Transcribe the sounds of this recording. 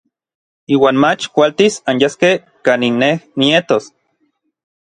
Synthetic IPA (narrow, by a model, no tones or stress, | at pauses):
iːwaːnmat͡ʃkʷalt̪isanjaskeh | kaːninːehniet̪os